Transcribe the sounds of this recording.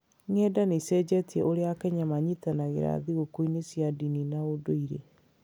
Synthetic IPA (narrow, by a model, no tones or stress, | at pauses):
ŋɛːdanesɛd͡ʑɛtiɛʔoɾeakɛɲamaɲitanaɣḛɾa̰ðiɣokoinesjadininaodoiɾe